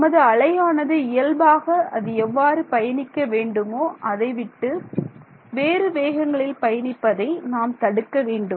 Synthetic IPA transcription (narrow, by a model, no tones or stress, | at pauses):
mɐðɯɐɭɐjaːnɐðɯɪjɐlbaːɣɐɐðɯɛʋːaːɾɯpɐjɐnɪkːɐʋeːɳɖɯmoːʔɐðɐɪʋɪʈːɯ | ʋeːɾɯʋeːɣɐŋɡɐɭɪlpɐjɐnɪpːɐðɐɪnaːmt̪ɐɽɯkːɐʋeːɳɖɯ